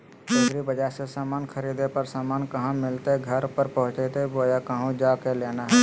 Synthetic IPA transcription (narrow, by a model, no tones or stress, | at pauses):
d͡ʒeːɡɾibəd͡ʒasesaːmaːnkʰəɾiːd̪epəɾsaːmaːnkɐɦãmɪlt̪eɡʱɐɾpəɾpɐɦʊ̃t͡ʃet̪eboːjakəɦũd͡ʒaːkeleːnaɦɛ